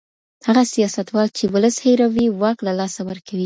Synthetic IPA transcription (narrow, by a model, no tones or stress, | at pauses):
haɣasijɑsat̪wɑlt͡ʃewʊləsheɾawiwɑklalɑsawəɾkʰawi